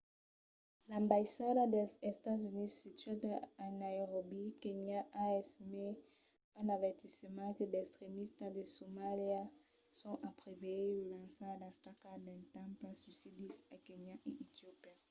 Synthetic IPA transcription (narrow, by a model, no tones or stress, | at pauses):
lãmbajsadad̪ɛɛst̪azynisit̪ɥad̪aanajʁobikeɲaʔaɛst̪ime | ɛ̃navɛʁt̪isəmãkədɛkst̪χemist̪ad̪esomalia | sɔ̃ʔapʁeveelãsadast̪akadɛ̃nt̪ãpasysid̪isakeɲaʔeʔit̪jopia